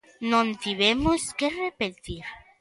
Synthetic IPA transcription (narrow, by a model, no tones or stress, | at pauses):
nõnt̪iβemoskerepet̪iɾ